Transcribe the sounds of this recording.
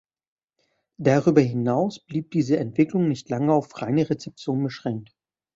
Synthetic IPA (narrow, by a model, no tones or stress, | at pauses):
d̥aʁyːbɐɦɪnaʊsb̥liːp̚d̥iːzəɛntv̥ɪklʊŋnɪçtlaŋəaʊfʁ̥aɪnəʁet͡sɛp̚t͡sjoːnbəʃʁ̥ɛŋk̚t